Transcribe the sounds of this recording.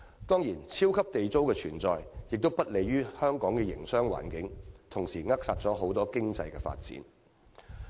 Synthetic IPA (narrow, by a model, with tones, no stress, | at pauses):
t̪ɔː˥ŋjiː˨˩nt͡sʰiː˥wkʰɐ˥p̚t̪e˨jt͡so˥wkɛː˧t͡sʰyː˨˩nt͡sɔː˨jjɪ˨k̚t̪o˥wpɐ˥t̚le˨˧jɥyː˥hœː˥ŋkɔː˨˥ŋkɛː˧jɪ̰˨˩ŋsœː˥ŋwa̰ː˨˩nkɪ˨˥ŋt̪ʰʊ˨˩ŋsiː˨˩ŋɐ˥k̚saː˨t̚t͡sɔː˨˥ɦo˨˥wt̪ɔː˥kɪ˥ŋt͡sɐ̰˧jkɛ̰ː˧fa̰ː˧t̚t͡sḭː˨˥n